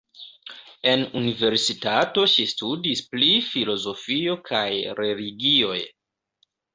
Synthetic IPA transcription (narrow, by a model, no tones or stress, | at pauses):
e̞nunive̞ɾsitato̞ʃistudisplifilo̞zo̞fio̞kʰajɾe̞liɡio̞j